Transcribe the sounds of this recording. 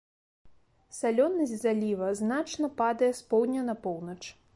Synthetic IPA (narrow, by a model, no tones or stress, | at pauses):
salʲɔnːɐzʲzalʲivɐznat͡ʂnɐpad̪ɐjɛspɔwd̪ʲnʲɐnɐpɔwnɐt͡ʂ